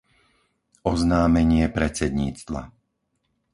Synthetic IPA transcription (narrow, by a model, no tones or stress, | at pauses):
ɔznaːmɛɲɪɛpɾɛt͡sɛd̪ɲiːt͡st̪ʋa̰